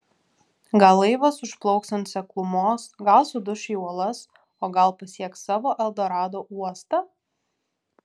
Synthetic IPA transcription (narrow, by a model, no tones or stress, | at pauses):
ɡɐlˠɐɪʋɐsʊʃplˠɔʊksɐnt̪sʲɛklˠʊmoːsɡɐlˠsʊd̪ʊʃʲɪuɔlˠɐs | oːɡɐlˠpɐsʲiɛkssɑːʋoːʔɛlˠd̪oːɾɑːd̪oːʔuɔst̪ɐ